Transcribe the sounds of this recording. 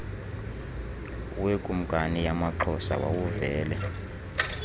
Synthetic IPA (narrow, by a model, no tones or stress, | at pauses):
wekʼum̩kʼanijamaǃʰɔsa̰wa̰wuvɛːlɛ